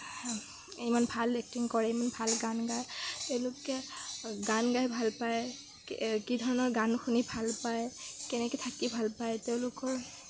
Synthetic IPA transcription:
imanbʱalːɛk̚tiŋkɔɹɛimanbʱalɡanɡajteʊ̃lʊkɛɡanɡajbʱalpaj | kidʱɔɹɔnɔɹɡanxunibʱalpajkɛnɛkɛtʰakibʱalpajteʊ̃lʊkɔɹ

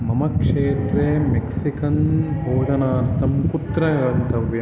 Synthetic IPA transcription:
mɐmɐkʂeːt̪ɾeːmeksikɐnbʱoːd͡ʒɐnaːɾt̪ʰɐmkut̪ɾɐɡɐnt̪ʰɐʋjɐ

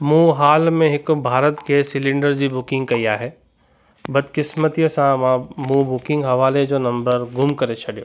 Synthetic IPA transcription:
mũːɦaːlmẽɦɪkbʱaːɾət̪kesɪlɪ̃ɳɖəɾd͡ʒibʊkɪ̃ŋɡ̚kɐijaɦɛ | bɐd̪kɪsmət̪ijəsãmãmuːbʊkɪ̃ŋɡɦɐʋaːled͡ʒonɐ̃mbəɾɡʱʊmkɐɾet͡ʃʰɐɽijo̰ː

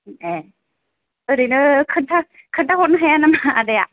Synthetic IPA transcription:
e | ɯɾinɯkʰɯntʰa | kʰɯntʰahonɯɦejanamadeja

